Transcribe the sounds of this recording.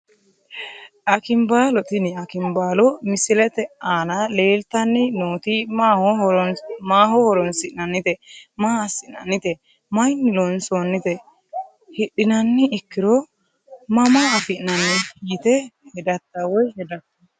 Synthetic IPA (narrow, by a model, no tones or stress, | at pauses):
ʔɐkɪmbaːlɔt̪ɪnɪɐkɪmbaːlɔmɪsɪlɛt̪ɛaːnɐle̞ːlt̪ɐnːɪnoːt̪imaːhɔɔɾnmaːɦɔhɔɾɔnsɪʔnɐnːɪt̪ɛmaːɐsɪʔnɐ̰nːɪt̪ɛ | mɐjnːɪlɔnsonːɪt̪ɛ | hɪɗːɪnɐnːɪːkːɪɾɔ | mɐmaːɐfɪʔnɐnːɪhiːt̪ɛhɛd̪ɐt̪ːɐwɔjhɛd̪ɐt̪ːɐ